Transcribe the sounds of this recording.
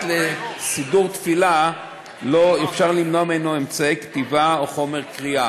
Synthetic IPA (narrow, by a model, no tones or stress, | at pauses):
lesiduʁt̪fila | loefʃaʁlimnoamenoemt͡saekt̪ivaoχo̞meʁkʁia